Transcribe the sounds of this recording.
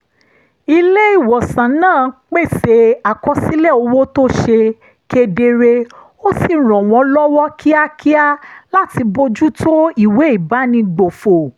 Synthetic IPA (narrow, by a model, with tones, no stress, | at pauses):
i˧le˦i˦˨wɔ˨sã˨nãː˦˨k͡pe˦˨se˧˦a˨kɔ˧˦si˦lɛ˦˨o˧wo˦to˦ʃe˧ | ke˧de˧ɾe˧ | o˦si˦˨ɾ̃ɔ̃˨w̃ɔ̃˨˧˦lɔ˦wɔ˦kʰi˦a˦kʰi˦a˦la˦ti˧bo˧d͡ʒu˦tʰo˦i˦˨we˨˦i˦˨ba˨˦nĩ˧ɡ͡bo˨fo˨